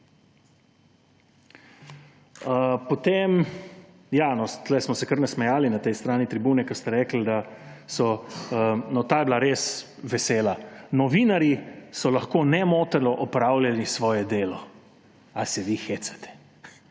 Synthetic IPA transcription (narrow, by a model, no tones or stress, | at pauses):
əpɔt̪em | janɔst̪lɛjsmɔsɛkəɾnɛsmɛjaːlinat̪ɛjst̪ɾaːnit̪ɾibuːnɛkəst̪ɛɾɛːkl̩d̪asɔənɔt̪aːjɛblaɾes | ʋɛseːlanɔʋiːnaɾjisɔlaxkonɛmoːt̪ɛlɔʔɔpɾaːwlʲjalisʋɔːjɛd̪eːlɔ | asɛʋixet̪sɛ̥t̪ʰɛ̥